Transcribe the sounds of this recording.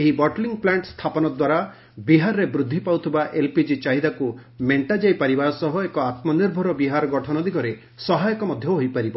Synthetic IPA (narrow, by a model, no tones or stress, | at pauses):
eɦibɔʈliŋplaɳʈst̪ʰapɔnɔd̪waɾa | biɦaɾɔɾebɾud̪ʱːipawt̪ʰibaʔelpid͡ʒit͡ʃaɦid̪akumeɳʈad͡ʒajpaɾibasɔɦɔekɔat̪mɔniɾbʱɔɾɔbiɦaɾɔɡɔʈʰɔnɔd̪iɡɔɾe | sɔɦajɔkɔmɔd̪ʱjɔɦojpaɾibɔ